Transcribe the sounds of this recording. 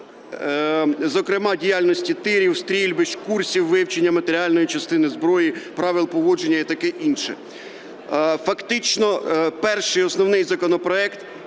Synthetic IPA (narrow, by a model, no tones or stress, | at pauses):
zɔkɾɪmɑdʲijɑlʲnɔsʲtʲit̪ɪɾʲiwst̪ɾʲilʲbɪʃkursʲiwːɪwt͡ʃenʲːɐmɐt̪eɾʲiɑlʲnɔjit͡ʃɐst̪ɪnɪzbɾɔjipɾɑʋʲɪlˠpɔʋɔd͡ʒenʲːɐit̪ɐkɛʔinʃɛ̰ | fɐkt̪ɪt͡ʃnɔpɛrʃɪjɔsnɔwnɪjzɐkɔnɔpɾɔɛkt̪